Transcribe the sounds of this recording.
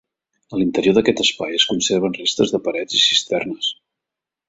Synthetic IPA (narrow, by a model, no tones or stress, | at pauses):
əlint̪əɾioðəkɛt̪əspajəskunserβ̞ənrest̪əzðəpəɾɛzisist̪ɛrnəs